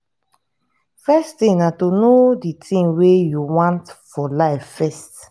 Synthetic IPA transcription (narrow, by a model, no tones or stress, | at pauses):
fɛstĩŋnatonoditʰĩmwejuwãntfɔlaɪffɛst